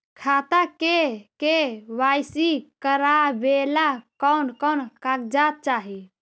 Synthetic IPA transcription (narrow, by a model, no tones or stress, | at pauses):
kʰat̪akekeʋajsikəɾabelakɔnkɔnkakd͡ʒat̪̚t͡ʃaɦi